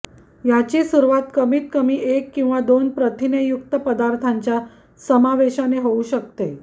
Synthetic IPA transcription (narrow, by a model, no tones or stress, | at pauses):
jat͡ɕiːsuɾuʋat̪kəmiːt̪̚kəmiːʔekːĩw̃ʋad̪onpɾət̪inəjukt̪əpəd̪aɾt̪ʰaɲt͡ɕja | səmaʋeɕaneɦouɕək̚t̪e